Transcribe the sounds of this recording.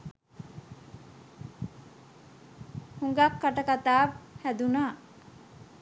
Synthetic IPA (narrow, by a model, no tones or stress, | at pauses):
huŋɡakːaʈɐkat̪aːhæd̪unaː